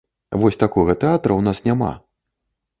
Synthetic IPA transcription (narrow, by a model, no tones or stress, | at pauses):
vɔsʲt̪akɔɣɐt̪ɛat̪ɾɐwnasnʲama̰